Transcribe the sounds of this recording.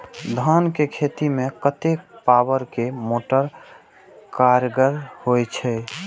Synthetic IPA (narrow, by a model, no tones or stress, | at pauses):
d̪ʱankekʰet̪imekət̪epabəɾkemoʈəɾ | kaɾɡəɾhojt͡ʃʰɛ